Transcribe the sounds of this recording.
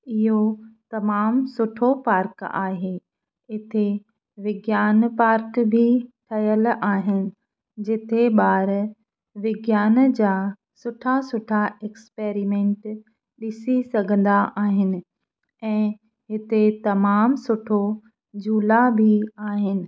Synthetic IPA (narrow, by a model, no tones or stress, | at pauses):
ɪɦot̪ɐmaːmsʊʈʰopaːɾka̰ːɦe | ɪt̪ʰe | ʋɪɡjaːnpaːɾkbʱiʈʰɐjəlaːɦɪnɪ̆ | d͡ʑɪt̪ʰeɓaːɾ | ʋɪɡjaːnd͡ʑaː | sʊʈʰasʊʈʰaɛkspeːɾimẽːɳʈ | ɗɪsisɐɡʱə̃nd̪aʔaːɦɪnɪ̆ | ɛ̃ː | ɦɪt̪et̪ɐmaːmsʊʈʰo | d͡ʑuːlabʱiaːɦɪnɪ̆